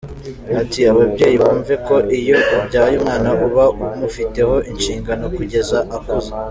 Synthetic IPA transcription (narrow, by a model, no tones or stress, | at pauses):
atiaβabɟe̞ːjiβuːɱve̞ko̞ʔijo̞ubɟaːjuːmŋaːnaʔuβaumufite̞ho̞ʔinʃiːŋɡano̞kuɟe̞zaʔakuze